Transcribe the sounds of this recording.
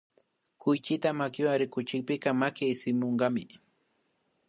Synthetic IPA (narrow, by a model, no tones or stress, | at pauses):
kʊjt͡ʃɪt̪amakɪwaŋɾɪkʊt͡ʃɪk̚pɪkɑmakɪsɪmoɴɢɑmɪ